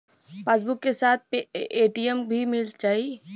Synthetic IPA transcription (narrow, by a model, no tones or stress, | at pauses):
feːs̬bʊkːesaːt̪̚ʰpeeːʈijəmbʱimɪlt͡ʃaːi